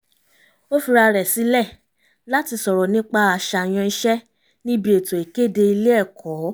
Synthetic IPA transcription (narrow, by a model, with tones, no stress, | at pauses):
o˦fi˧ɾa˧ɾɛ˨si˨˦lɛ˦˨ | la˦ti˧sɔ˨ɾɔ˨nĩ˦k͡pa˧a˧˨ʃa˨j̃ã˧n̩˦ʃɛ˦ | nĩ˦bi˧e˨to˨e˨ke˦˨de˧i˧le˦ɛ˦˨kʰɔː˨˦